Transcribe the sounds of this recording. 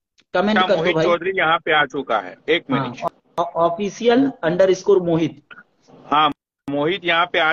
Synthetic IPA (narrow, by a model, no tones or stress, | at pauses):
kɐmẽɳɖkɐɾɦobʱaːit͡ʃɔːd̪ʱɾijɐɦãpeaːt͡ʃʊka̰ɦɛ̰ːeːk̚mɐniʃ | ɔːfʰiːsijəlɐ̃ɳɖəɾɪskoːɾmoːɦɪt̪̚ | ɦãː | moːɦɪt̪jɐɦãpeaː